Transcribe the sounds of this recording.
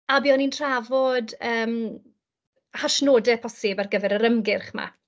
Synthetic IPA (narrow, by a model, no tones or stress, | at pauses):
abiːɔnintʰr̥avɔdəːm | haʃnoːdɛpʰɔsɪbarɡəvɛɾəɾəmɡɪrχma̰